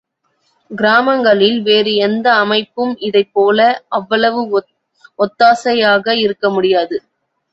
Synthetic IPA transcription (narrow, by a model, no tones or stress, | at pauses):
ɡɪɾaːmɐŋɡɐɭɪlʋeːɾɯɛnd̪ɐːmɐɪpːɯmɪðɐɪpːoːlɐʔɐʋːɐɭɐʋɯ | ɔt̪ːaːsɐjaːɣɐɪɾɯkːɐmʊɽɪjaːðɯ